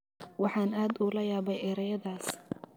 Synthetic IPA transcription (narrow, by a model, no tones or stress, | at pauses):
wɑħɑːnaːd̪uːlɐjaːβɛjʔɛɾɐjɐðaːs